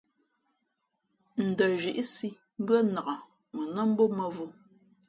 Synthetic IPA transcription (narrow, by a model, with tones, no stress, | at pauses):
n̩˨də˨ʒi˨ʔi˦si˦ | m̩˦bɰə˦na˨ʔa˨ | mə˨nə˦m̩˦bo˦mə˦vu˦